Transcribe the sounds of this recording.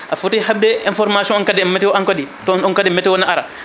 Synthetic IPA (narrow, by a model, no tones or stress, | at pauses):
ʔafutihab̚dɛinfɔɾmasiɔ̃nɔnkadɛmːɛtɛwaŋkɔdi | tɔnɔnkadɛmɛtɛwɔnːaʔaɾa